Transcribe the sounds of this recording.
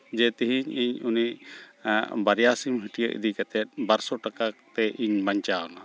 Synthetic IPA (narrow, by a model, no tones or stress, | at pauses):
d͡ʒɛt̪ɛɦiɲiɲuniʔ | baɾjasimɦiʈijəʔḭd̪ikat̪ɛt̪̚baɾsɔʈakat̪ɛʔiɲbaɲt͡ʃawna